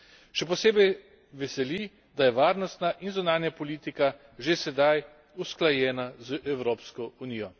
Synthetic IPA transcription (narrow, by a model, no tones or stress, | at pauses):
ʃɛp̬ɔseːbɛj | ʋɛsɛli | d̪ajɛʋaːɾnɔst̪naʔinzunaːnjapɔliːt̪ika | ʒesɛd̪aj | usklajɛːnazʔɛwɾoːpskɔuniːjɔ